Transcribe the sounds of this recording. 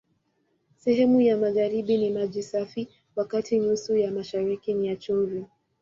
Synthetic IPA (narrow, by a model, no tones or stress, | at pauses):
sɛhɛmujamaɣaɾiɓinimaʄisafi | wakatiɲusujamaʃaɾikiniat͡ʃɔvjɔ